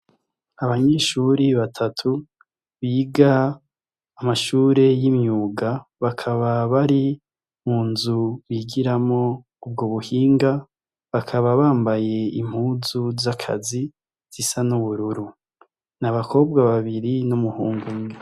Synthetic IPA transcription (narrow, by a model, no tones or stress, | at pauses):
aβaɲeːʃuɾiβatʰatʰu | βiːɡaː | maʃuːɾe̞jimɲuːɡaβakʰaβaβaɾi | muːnzuβiɡiɾamo̞ | ub̚ɡoβuhiːŋɡa | βakʰaβaβaːmbaje̞im̥huːzuzakʰa̰zi | z̥isanuβuɾuɾu | naβakʰo̞b̚ɡaβaβiɾinumuhuːŋɡume